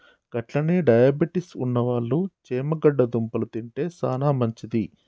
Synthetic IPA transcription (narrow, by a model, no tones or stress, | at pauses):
kɐʈlɐneːɖɐjaːbiʈisṵnːɐʋaːɭːut͡ʃeːmɐɡɐɖːɐd̪umpɐlɐt̪iɳʈe̞ːsaːnaːmɐɲt͡ʃid̪i